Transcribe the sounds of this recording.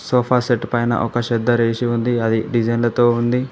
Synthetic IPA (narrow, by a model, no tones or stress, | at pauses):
soːpʰaːseʈːpɐjnɐ̰ʔɔkɐʃɛd̪ːɐɾeːʃiund̪iɐd̪iɖid͡ʒɐjnlɐt̪oːund̪i